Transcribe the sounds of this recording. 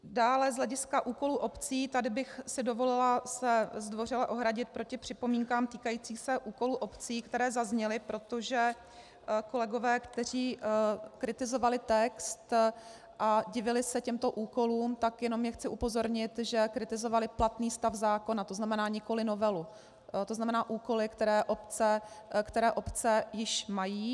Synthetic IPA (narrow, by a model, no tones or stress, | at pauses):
daːlɛzɦlɛɟɪskaʔuːkoluːʔo̞pt͡siːt̪adɪbɪxsɪdo̞vo̞lɪlasɛzdvo̞r̝ɪlaʔo̞ɦɾaɟɪt̪̚pɾo̞cɪpr̥ɪpo̞miːŋkaːmt̪iːkajiːt͡siːxsɛʔuːko̞luʔo̞pt͡siːkt̪ɛɾɛːzazɲɛlɪpɾo̞t̪o̞ʒɛ | ko̞lɛɡo̞vɛːkt̪ɛr̝iːkɾɪt̪ɪzo̞valɪt̪ɛkst̪ | ʔaɟɪvɪlɪsɛcɛmt̪o̞ʔuːko̞luːmt̪akjɛno̞mjɛxt͡sɪʔupo̞zo̞ɾɲɪt̪ʒɛkɾɪt̪ɪzo̞valɪplat̪niːst̪afzaːko̞nat̪o̞znamɛnaːɲɪko̞lɪno̞vɛlu | t̪o̞znamɛnaːʔuːko̞lɪkt̪ɛɾɛːʔo̞pt͡sɛkt̪ɛɾɛːʔo̞pt͡sɛjɪʃmajiː